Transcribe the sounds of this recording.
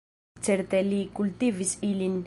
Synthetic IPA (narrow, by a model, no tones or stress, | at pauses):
t͡seɾt̪elikult̪ivisilin